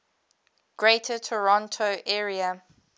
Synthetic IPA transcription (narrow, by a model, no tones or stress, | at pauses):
ɡ̥ɹeɪtʰətʰɔɹɔ̃ntʰoʔɛːɹiə